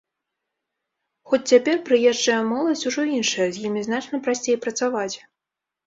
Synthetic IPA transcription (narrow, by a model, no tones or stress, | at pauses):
xɔt͡sʲt͡sʲapʲɛrpɾɨjɛʐd͡ʐɐjɐmɔlˠɐsʲuʐɔinʂɐjɐzʲjimʲiznat͡ʂnɐpɾasʲt͡sʲejpɾɐt̪savat͡sʲ